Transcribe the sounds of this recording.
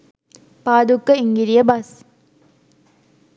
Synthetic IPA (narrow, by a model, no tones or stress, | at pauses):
paːd̪ukːəiŋɡiɾijəbɐs